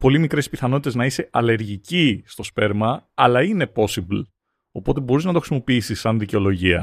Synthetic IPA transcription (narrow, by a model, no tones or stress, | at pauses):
po̞limikɾe̞spiθɐno̞t̪it̪znɐise̞ɐle̞ɾʝicist̪o̞spe̞ɾmɐːɐlɐine̞po̞sibl | o̞po̞t̪̬e̞bo̞ɾiznɐt̪o̞xɾisimo̞piisisːɐnðiceo̞lo̞ʝiɐ̰